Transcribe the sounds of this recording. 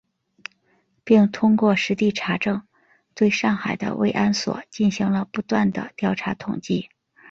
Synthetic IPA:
pi˥˩ŋt̪ʰʊ˥ŋkwɔ˥˩ʂɻ̩˧˥t̪i˥˩ʈ͡ʂʰa˧˥ʈ͡ʂɤ˥˧ŋ | t̪we˥˧ɪʂɑ˥˩ŋxa˨˩ɪd̪ə̰˦wḛ˥˩ɪʔa˥nswɔ̰˨˩˦t͡ɕi˥˩nɕi˧˥ŋlə˧pu˧˥t̪wa˥˩nd̪ə̰˩t̪jɑ˥˩ʊʈ͡ʂʰa˧˥t̪ʰʊ˨˩ŋt͡ɕi˥˩

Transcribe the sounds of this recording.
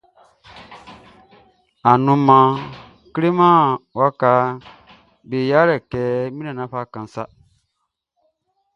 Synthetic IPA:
a˨nũ˨mːã˨ | kɾe˦mã˦wa˦ka˦ | be˨ja˦ɾɛ˨kɛː˨˦mĩ˦nã˨nã˨˦ɸa˦kã˨n˦sa˦

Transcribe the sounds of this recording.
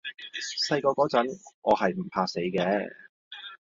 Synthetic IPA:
sɐ˧jkɔː˧kɔː˨˥t͡sɐ˨˥nɔ̰ː˨˧hɐ˨jm̩˨˩pʰaː˧se˨˥jkɛː˧˥

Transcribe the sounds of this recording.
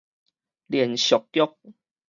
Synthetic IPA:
ljiɛ˨˩nɕjɔ˨˩kːjɔ˦k̚

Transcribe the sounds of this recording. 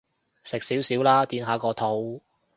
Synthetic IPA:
sɪ˨k̚siː˨˥wsiː˨˥wlaː˥t̪iː˨˧nɦaː˨˧kɔː˧t̪ʰo˨˧w

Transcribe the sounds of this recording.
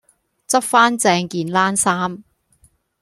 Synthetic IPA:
t͡sɐ˥p̚faː˥nt͡sɛː˧ŋkiː˨nlaː˥nsaː˥m

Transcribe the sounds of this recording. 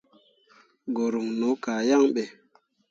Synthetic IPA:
ɡo˨ɾu˨ŋno˨˦ka˨ja˦˨ŋɓe˨

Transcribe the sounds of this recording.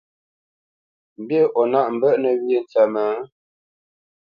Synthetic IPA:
m̩˨bje˦˨ʔɔ˨na˦ʔm̩˨bə˦˨ʔnə˨wje˨n˨t͡sə˨mə˨˦

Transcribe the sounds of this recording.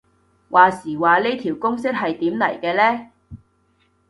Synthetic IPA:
wʔaː˨siː˨˩waː˨le˥jt̪ʰi˨˩wkʊ˥ŋsɪ˥k̚hɐ˨jt̪iː˨˥mnɐ̰˨˩jkɛː˧lɛː˥

